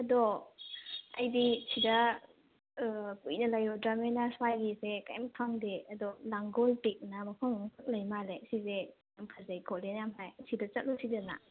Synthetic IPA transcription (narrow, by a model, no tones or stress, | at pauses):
ɐdɔ | ɐjdisʰidɐ | pujnɐlajɔdɾamenaswajɡisekajampʰaŋdeɐdɔlaŋɡɔlpik̚namɐkʰɔŋpʰɯk̚lɐjmalesize | jamkʰazajkʰɔlenjamɦajsʰidat͡ʃɐt̚lusʰidana̰